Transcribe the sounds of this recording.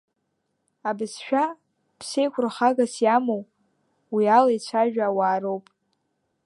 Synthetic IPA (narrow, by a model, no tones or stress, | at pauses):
abɨsʃᶣa | pʰsejkʷʰʊrχaɡasjamow | wialajt͡ɕʷʰaʒᶣaːwaːɾowpʼ